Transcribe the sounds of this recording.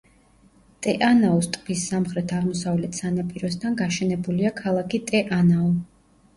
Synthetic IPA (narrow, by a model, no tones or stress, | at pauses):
t̪ʼɛʔanaɔst̪ʼpisːamχɾɛt̪ʰaʁmɔsavlɛt̪ʰsanapʼiɾɔs̬t̪ʰanɡaʃɛnɛbuliakʰalˠakʰit̪ʼɛʔanaɔ